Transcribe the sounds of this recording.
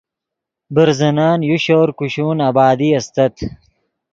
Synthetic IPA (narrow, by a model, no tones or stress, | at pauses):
bəɾzɐnaːnjuɕoːɾkuɕuːnabaːd̪iɐst̪ɐt̪ʰ